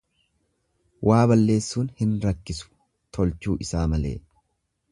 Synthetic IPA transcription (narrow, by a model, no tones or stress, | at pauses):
wʔaːbɐlːe̞ːsːuːnhɪnɾɐkːɪsʊ̥ | t̪ʰɔlt͡ʃuːʔɪsaːmɐlḛː